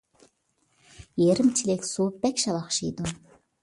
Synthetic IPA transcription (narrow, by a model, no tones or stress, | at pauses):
jeɾɪmt͡ʃʰilekʲsoːbækʲʃɑlˠɑχʃid̪un